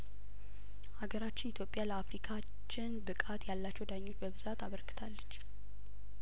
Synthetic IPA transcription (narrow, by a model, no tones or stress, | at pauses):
haɡəɾat͡ʃːɪnit̪ʰjo̞pʼːjaləafɾikʰa | t͡ʃːɪnbɨkʼat̪jalːat͡ʃːɛwd̪aɲːo̞t͡ʃːbəβɨzat̪aβəɾkɨ̥t̪ʰalːət͡ʃː